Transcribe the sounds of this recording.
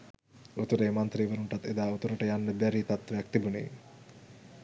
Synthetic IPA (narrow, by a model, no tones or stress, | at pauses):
ot̪uɾeːmant̪ɾiːʋəɾuɳʈat̪ed̪aːot̪uɾəʈəjanːəbæɾiːt̪at̪ʋejak̚t̪ebunḛj